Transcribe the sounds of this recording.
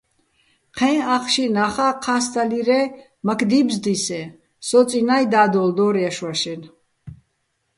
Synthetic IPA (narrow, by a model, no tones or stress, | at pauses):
qʰɛ̃ːaχʃinaχaqʰast̪aliɾɛ | məkʰd̪ibzd̪isɛ | sɔt͡sʼinajd̪aːd̪ɔld̪ɔɾjaʃwaʃɛn